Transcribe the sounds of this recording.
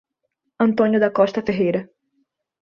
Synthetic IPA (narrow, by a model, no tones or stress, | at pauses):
ɐ̃nt̪õnjʊd̪ɐkɔʃt̪ɐfeɦejɾɐ